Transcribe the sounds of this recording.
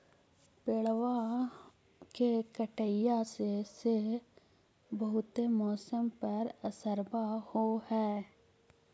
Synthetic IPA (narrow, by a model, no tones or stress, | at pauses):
peɭwa | kekəʈəɪjasese | bəɦʊt̪emɔːsəmpɐɾəsəɾbahohɛː